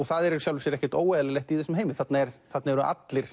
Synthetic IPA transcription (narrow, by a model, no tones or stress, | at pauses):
ɔɣθaðɛɾɛɾsjawlvʏsjɛɾɛhcɛ̥ɾt̪oːwaðlɛlɛhxt̪iθɛsːʏmɦeːjmɪθat̪naɛɾθat̪naɛɾʏʔa̰t̪lɪɾ̥